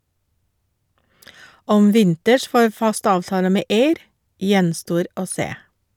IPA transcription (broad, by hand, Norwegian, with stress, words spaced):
ˈɔm ˈʋɪntəʃ ˈfoːɾ ˈfɑst ˈɑːʋtɑːlə ˈmeː ˈeɪɾ ˈjɛnˌstoːɾ ˈoː ˈseː